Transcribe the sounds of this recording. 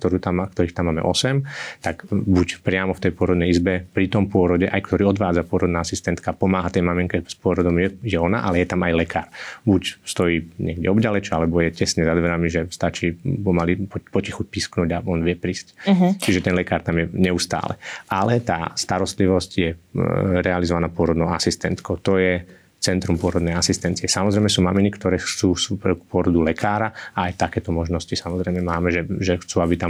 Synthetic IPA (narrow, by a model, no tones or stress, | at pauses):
kt̪ɔɾuːt̪amkt̪ɔɾiːxt̪amːaːmɛ̰ʔɔsɛmt̪aɡbucpɾɪamɔft̪ɛjpʊɔɾɔd̪nɛjizbɛpɾit̪ɔmpʊɔɾɔɟɛʔajkt̪ɔɾiːɔd̪ʋaːd͡zapʊɔɾɔd̪naːasist̪ɛnt̪kapɔmaːɦat̪ɛjmamiŋkɛspʊɔɾɔd̪ɔmjɛjɛɔna̰ʔalɛjɛt̪amajlɛkaːɾbucst̪ɔjiːɲɪɛɡɟɛ̰ɔbɟalɛt͡ʃalɛbɔjɛcɛsɲɛzad̪ʋɛɾamiʒɛst̪at͡ʃiːpɔmalipɔcixuc̚pisknuːɟaɔnʋɪɛpɾiːsct͡ʃiʒɛt̪ɛnlɛkaːɾt̪amjɛɲɛust̪a̰ːlɛ̰ʔalɛt̪a̰ːst̪aɾɔst̪liʋɔscjɛɾɛalizɔʋanaːpʊɔɾɔd̪nɔʊasist̪ɛnt̪kɔʊt̪ɔjɛ | t͡sɛnt̪ɾumpʊɔɾɔd̪nɛjasist̪ɛnt͡siɛsamɔzɾɛjmɛsuːmaminikt̪ɔɾɛːxt͡suːxsupkpʊɔɾɔd̪ulɛkʰaːɾaaajt̪akɛːt̪ɔmɔʒnɔscisamɔzɾɛjmɛmaːmɛʒɛʒɛxt͡suːabit̪am